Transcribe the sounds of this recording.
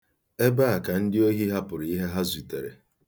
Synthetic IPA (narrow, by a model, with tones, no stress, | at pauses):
e˦ba˦a˨ka˨n̩˦dɪ˦o˦ɦi˦ɦa˦pʊ˨ɾi˦ɦe˦ɦa˦zi˨te˨ɾḛ˨